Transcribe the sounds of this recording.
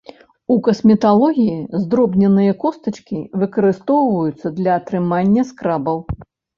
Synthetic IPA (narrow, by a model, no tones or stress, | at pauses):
ukɐsmʲɛt̪alˠɔɣʲijizd̪ɾɔbnʲɛnɨjɐkɔst̪ɐt͡ʂkʲivɨkɐɾɨst̪ɔwvɐjut̪sːɐd̪lʲɐːt̪ɾɨmanʲːɐskɾabɐw